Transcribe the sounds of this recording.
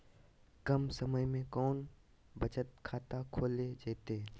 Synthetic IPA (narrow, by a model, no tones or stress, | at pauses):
kɐmsəməjmẽkɔːn | bət͡ʃət̪kʰaːt̪akʰoːled͡ʒeːt̪eː